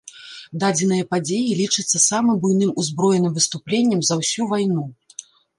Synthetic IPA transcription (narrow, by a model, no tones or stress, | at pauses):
d̪ad͡zʲɛn̪ɨjɐpad͡zʲejilʲit͡ʂɨt̪sːɐsamɨmbujnɨmuzbɾɔjɛnɨmvɨst̪uplʲenʲːɐmzɐwsʲuvajnu